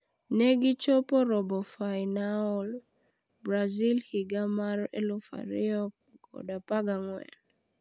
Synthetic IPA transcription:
nɛɡɪt͡ʃopɔɾɔbɔfajnaɔl | bɾazilhiɡamaɾɛ̰lʊfa̰ɾɪɔp̚ | ɡɔ̰dapaɡaŋwɛ̰n

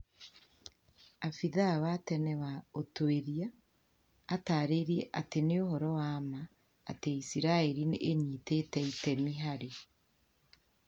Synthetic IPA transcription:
afiðawatɛnɛwaotoeðjaː | taɾeɾjeʔateneohɔɾɔwama̰ː | teisiɾaeɾineʔːɲitetɛitɛmiɦaɾe

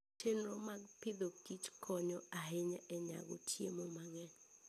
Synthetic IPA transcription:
tenromaɡpɪd̪okit͡ʃkʰɔɲɔaɦeɲɛɛɲa̰ɡo̰tʰjemomaŋɛ

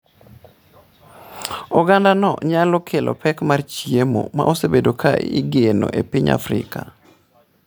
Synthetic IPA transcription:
ɔɡandanɔɲalɔkʰelʔɔ̰pɛkmart͡ʃjemo̰ma̰ʔosebedokʰaiɡeno̰ʔepiɲa̰fɾɪ̰ka

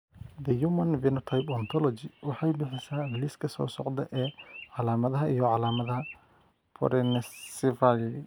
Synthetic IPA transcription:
d̪ɛjumɐnvɛnɔt̪ʰɐjpɔnt̪ʰɔlɔt͡ʃɪwɑħɑjbɪħɪsaːbliskʰɐsɔ̰ːsɔ̰ʕd̪ɐʔɛːʕɑlaːmɐðɐɦɐijɔʕɑlaːmɐðɐɦɐ | pʰɔ̰ɾɛnɛsɪvaɡ

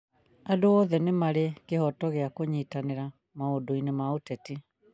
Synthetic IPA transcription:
adoɔðɛnemaɾekehɔtɔɣeakoɲitaneɾa | maodoinemaotɛti

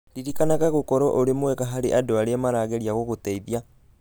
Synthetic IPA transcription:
liɾikanaɣaɣokɔɾɔʔoɾemwɛɣaɦaɾeʔadoaɾeamaɾaːɣeɾiaɣoɣotɛiðja

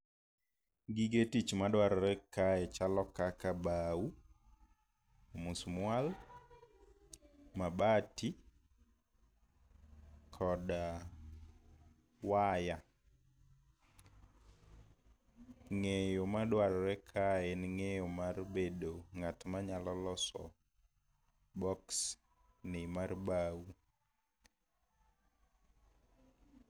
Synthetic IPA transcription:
ɡiɡetit͡ʃmadwaɾɔɾɛkaɛt͡ʃalɔkakabau | musmwal | mabatʰi | kʰɔda | waja | ŋejomadwaɾɔɾɛkʰaɛnŋejomarbedoŋatmaɲalɔlɔsɔ̰ | bɔks | nɪmarbawu

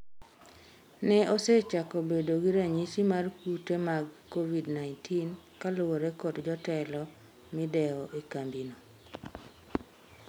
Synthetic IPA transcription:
nɛʔoset͡ʃakɔbedoɡiɾaɲit͡ʃimarkutemaɡkːovidnaɪntʰin | kalʊwoɾɛkotd͡ʒɔtɛlɔ | mɪdɛɔʔekambino

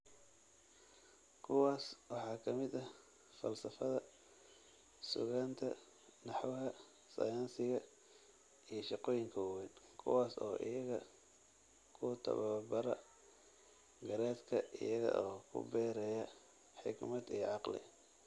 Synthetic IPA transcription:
kʰʊwaːswɑħɑːkʰɐmɪd̪ɐ | fɐ̰lsɐfɐðɐ | sʊ̰ɣaːnt̪ʰɐ̰ | nɑħwɦɐ | sɐ̰jaːnsɪɣɐ | ijɞʃɑqɔːjɪŋkʰɐwwɛnkʰʊ̰waːsɔ̰ːʔɪ̰jɐɣɐ | kʰʊt̪ʰɐ̰βɐbɐɾɐ̰ | ɡɐɾɛːd̪kʰɐʔɪjɐɣɐ̰ʔɔːkʰʊ̰bɛːɾɛjɐ | ħɪɡmɐd̪ijʕɑqlɪ̰

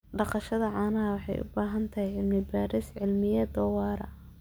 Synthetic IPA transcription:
ɖɑqɑʃɐðɐʕɑːnɐɐwɑħɑ̰jʔʊ̰baːɦɐnt̪ʰɐhɛjʕɪlmɪbaːɾɪsʕɪlmɪjɛd̪ɔːwɑːɾɐ̰

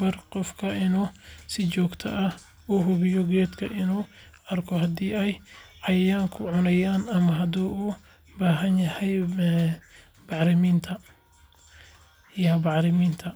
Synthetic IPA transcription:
bɐrqɔfkʰɐɪnuːsɪt͡ʃɔːɡt̪ʰɐ̰ʔɐh | uɦʊβɪjɔɡɛːd̪kʰɐʔɪnuː | ɐrkʰɔɦɐd̪iːɛjʕɑjaːŋkʰʊʕʊnɐjaːnɐmɐɦɐd̪uːuː | baːɦɐnjɐhɛj | bɑħɾɪmiːnt̪ʰɐ | jɐbɑʕɾɪmiːnt̪ʰɐ

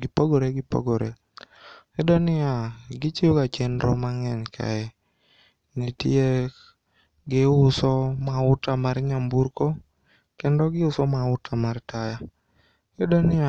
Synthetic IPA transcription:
ɡɪpoɡoɾeɡɪpo̰ɡoɾe | ɛdɔnɪaɡɪt͡ʃɪokat͡ʃendɾɔ̰maŋɛɲkʰa̰ɛ | nitie | ɡɪʊsɔmaʊtamaɾɲambuɾko | kɛndɔɡɪʊsɔmaʊtʰamartaja | ɛdɔnɪa

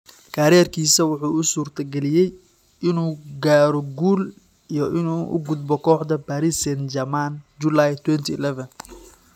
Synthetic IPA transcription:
kʰaːɾɛːrkʰiːsɐwʊħuːʊsuːrt̪ʰɐɡɛlɪjɛj | ɪnuːɡaːɾɔɡuːl | ijɔʔɪnuːʔʊ̰ɡʊd̪̚bɔkʰɔːħd̪ɐbaɾɪsɛnd͡ʒɐmaːnd͡ʒʊlaːjt̪ʰwɛnt̪ʰilɛvɐn

